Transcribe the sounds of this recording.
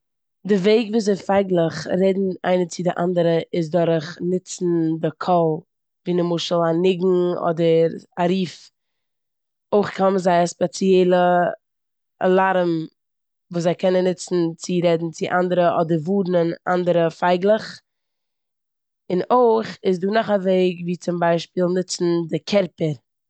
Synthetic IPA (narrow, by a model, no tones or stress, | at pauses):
dɪveɪɡvuːszeɪfaɪɡlˠəχɾɛdn̩a̰ɪnət͡sɪdɪʔa̰ndəɾəɪs̬dɔɾχnɪt͡sn̩dɪkʰɔlˠ | viːnəmʊʃəl̩ˠanɪɡŋ̩ɔ̰dəɾaɾiːf | oɪχkʰaməzaɪaspɛt͡siɛɪlˠə | a̰lˠaɾm | vuːszaɪkɛnənːɪt͡sn̩t͡sɪɾɛdn̩t͡sɪʔandəɾəʔɔdəɾvuːdn̩ɪna̰ndəɾəfaɪɡlˠəχ | ɪnoɪχɪsduːnɔχaveɪɡviːt͡sʊmbaɪʃpiːlˠnɪt͡sn̩dɪkʰɛɾpəɾ